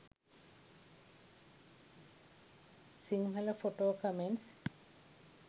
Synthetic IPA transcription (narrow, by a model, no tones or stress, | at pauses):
siŋnɐlɐfoʈoːkɐmens